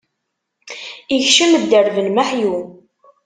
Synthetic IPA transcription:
içʃəmd̪ːəɾvənmaħju

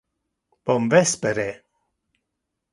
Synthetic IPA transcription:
b̥ɔmvɛspɛɾe

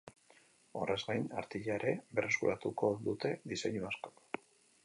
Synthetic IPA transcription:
o̞̰re̞zɡajna̰ɾt̪iʎaeɾe̞be̞re̞skuɾat̪uko̞d̪ut̪e̞ðise̞ɲuasko̥k

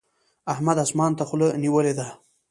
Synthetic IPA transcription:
ahmad̪asmɑnt̪axʊləniwəled̪a

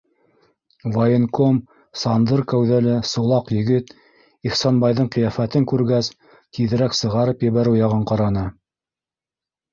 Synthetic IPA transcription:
vɑjenkom | sɑnd̪ɤɾkæwðælɘsŭlˠɑqjɵ̆ɡɘt̪ | iχsɑnbɑjðɤɴqɤ̆jɑfæt̪ɘŋkʉɾɡæs | k̪iðɘ̆ɾæksɤ̆ʁɑɾɤpjɘ̆βæɾɘwjɑʁɤɴqɑɾɑnɤ

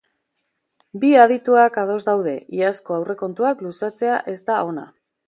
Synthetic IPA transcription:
biað̞it̪uakað̞o̞zd̪awð̞e̞ʔiasko̞awre̞ko̞nt̪uaklusat͡se̞aʔe̞zt̪ao̞na̰

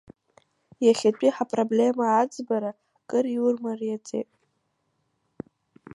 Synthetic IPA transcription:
jaχʲat͡pʷʼiħapʼroblʲe̞maad͡zbaɾa | kʼɨriurmarjat͡sʼḛjtʼ

